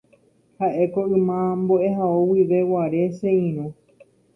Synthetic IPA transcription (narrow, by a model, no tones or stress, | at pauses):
haʔe̞koʔɨmãmboe̞ɦaowiʋe̞waɾe̞seĩɾ̃õ